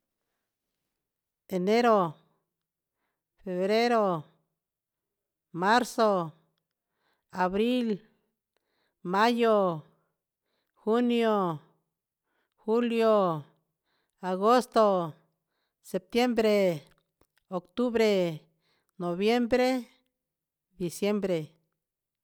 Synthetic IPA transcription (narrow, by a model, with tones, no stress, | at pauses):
e˨ne˦ɾo˨ | fe˨βɾe˦ɾo˦ | ma˦ɾso˦ | a˨βɾi˦l | ma˦jo˨ | xu˦njo˨ | u˦ljo˨ | a˨ɡo˦st̪o˨ | se˨p̚t̪je˦mbɾe˨ | o˨kt̪u˦βɾe˨ | no˨βje˦mbɾe˦ | d̪i˨sje˦mbɾe˨